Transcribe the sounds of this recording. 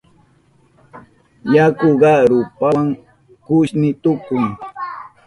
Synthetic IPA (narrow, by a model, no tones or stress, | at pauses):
jakʊɢɑɾʊpaŋ | kʊʃnɪt̪ʊkʊŋ